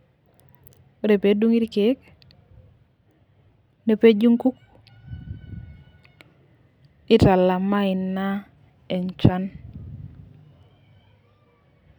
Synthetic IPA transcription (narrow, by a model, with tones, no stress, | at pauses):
ɾe˨pe˨˦du˦ŋi˦ɾke˨˦k | ne˨pe˦d͡ʒu˦ŋku˦k | ɪ˦ta˨la˨ma˦ɪ˨nːa˦ | e˨nt͡ʃa˦n